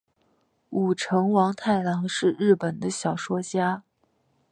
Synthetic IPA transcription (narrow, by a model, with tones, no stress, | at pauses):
u˨˩ʈ͡ʂʰɤ˧˥ŋwɑ˧˥ŋt̪ʰa˥˩ɪlɑ˧˥ŋʂɻ̩˥˧ɻɻ̩˥˩pə˨˩nd̪ə˦ɕjɑ˨˩ʊʂwɔ˥t͡ɕja˥